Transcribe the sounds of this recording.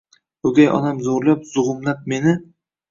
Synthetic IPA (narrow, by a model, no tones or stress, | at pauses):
ɵɡʲajʔɒ̰namzoɾlapz̥ʊʁʊmlap̚me̞nɪ